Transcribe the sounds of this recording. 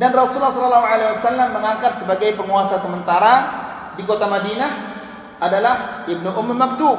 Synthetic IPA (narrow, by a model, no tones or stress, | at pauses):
danrɔsulahsɔlɔlːaɦuʕalaiwasalːamːəŋaŋkat̪̚səbaɡajpəŋuasasəmənt̪aɾa | dikot̪amadina | ʔadalahɪb̚nuʔʊmrmab̚d̪u